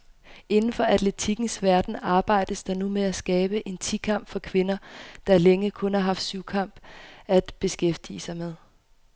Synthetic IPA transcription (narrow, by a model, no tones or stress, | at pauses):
e̝nn̩fɒ̽ʔæd̥le̝t͡sʰiɡ̥n̩sʋæɐd̥n̩ɑ̈ːb̥ɑ̈ɪ̰d̥əsd̥ɑ̈numeæsɡ̥ɛːb̥əʔe̝nt͡sʰikʰɑ̈m̰b̥fɒ̽kʰʋe̝nɐd̥ɑ̈leŋəkʰɔ̽nhɑ̈ɦɑ̈fd̥syʊ̰kʰɑ̈m̰b̥æd̥b̥e̝sɡ̥efd̥ḭːəsɑ̈ɪmeð̞ˠ